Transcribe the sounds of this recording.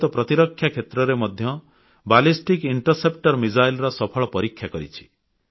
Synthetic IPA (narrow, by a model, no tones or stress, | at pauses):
t̪ɔpɾɔt̪iɾɔkʰːjakʰet̪ɾɔɾemɔd̪ʱjɔ | balisʈikiɳʈɔɾsepʈɔɾmid͡ʒajlɾɔsɔpʰɔɭɔpɔɾikʰːjakɔɾḭt͡ʃʰi̥